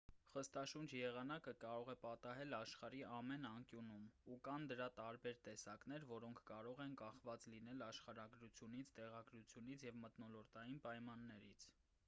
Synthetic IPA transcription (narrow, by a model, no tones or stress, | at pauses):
χəst̪ɑʃund͡ʒjɛʁɑnɑkəkɑɾɔʁɛpɑt̪ɑɦɛlɑʃχɑɾiɑmɛnɑŋkjunumukɑnd̪əɾɑt̪ɑɾbɛɾt̪ɛsɑkn̪ɛɾvɔɾɔŋkʰkɑɾɔʁɛnkɑχvɑt͡slin̪ɛlɑʃχɑɾɑɡɾut͡sʰjunit͡sʰt̪ɛʁɑɡɾut͡sʰjun̪it͡sʰjɛvmət̪nɔlɔɾt̪ɑjinpɑjmɑnːɛɾit͡sʰ